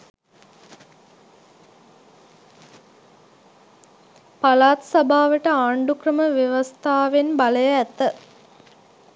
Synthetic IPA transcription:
palaːt̪sabʱaːʋəʈəaːɳɖukrəməʋjeʋɐst̪ʰaːʋenbaləjəæt̪ːə

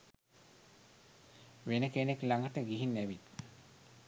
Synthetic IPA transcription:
ʋenəkeneklaŋɡəʈəɡiɦinːæʋit̪

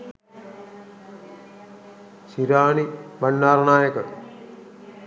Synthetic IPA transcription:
siɾaːnibɐɳːaːɾɐnaːjɐkɐk̪

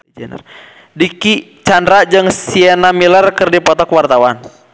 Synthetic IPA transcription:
d͡ʒɛn̰r | dikit͡ʃandɾad͡ʒɨŋsiɛnamilərkɨrdipɔt̪ɔkwart̪awan

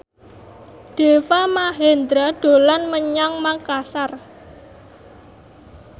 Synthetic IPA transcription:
d̪̥e̤wamaɦend̪ɾaɖ̪̥o̤lanməɲaŋmakasar

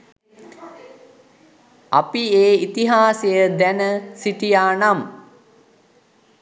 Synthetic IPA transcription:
apieːit̪iɦaːsejəd̪ænəsiʈijaːnam

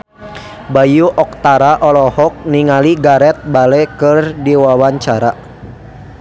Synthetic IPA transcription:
bajuʔɔk̚t̪aɾaʔɔlɔhɔk̚niŋaliɡaɾɛt̪̚balɛkərdiwawaɲt͡ʃaɾa

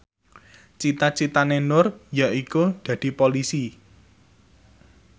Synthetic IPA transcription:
t͡ʃit̪at͡ʃit̪anenʊrjaʔikud̪̥ä̤d̪̥i̤polisi

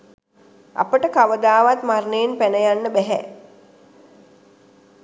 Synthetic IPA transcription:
a̰pəʈəkaʋəd̪aːʋat̪marnejenpænəjanːəbæɦɛ̰

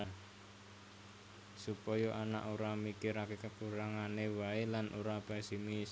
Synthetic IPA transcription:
supɔjɔʔana̰ʔoɾamikɪɾakekəkuɾaŋanewaelanʔoɾapɛsimis

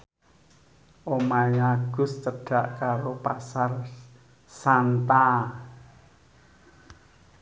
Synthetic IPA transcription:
ʔomajaɡ̥ʊ̤st͡ʃəɖ̥a̤ʔkaɾopasar | sant̪a

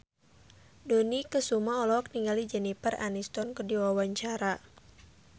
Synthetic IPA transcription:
donikəsumaɔlɔk̚niŋɡalid͡ʒɛnipəra̰nist̪ɔnkərdiwawaɲt͡ʃaɾa

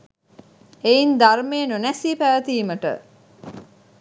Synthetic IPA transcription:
eind̪armeːnonæsiːpæʋət̪iːməʈə̰

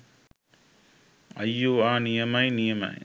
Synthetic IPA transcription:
ɐjːuaːnijɐmɐjnijɐmɐ̰j

